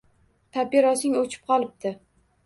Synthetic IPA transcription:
t̪ʰapeɾɒsɪŋot͡ʃʰɪ̥p̚qʰɒlˠɪp̚d̪ɪ

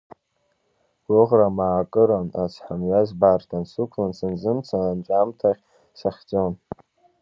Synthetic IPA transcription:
ɡ̥ʷʊʁramaːkʼɨɾanat͡sʰħamɥazbartʰansukʷʰlansɨnzɨmt͡sʰananʈ͡ʂʷʼamtʰaχʲ | saχʲt͡sʼon

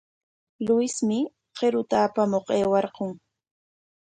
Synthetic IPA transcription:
lʊɪsmɪ | qeɾʊt̪aːpamoqeːwɑɾqoŋ

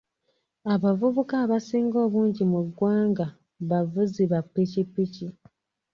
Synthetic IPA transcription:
aβavuβukaːβasiːŋɡo̞ːβuːɲɟimuɡwaːŋɡa | βavuziβapːicipːici

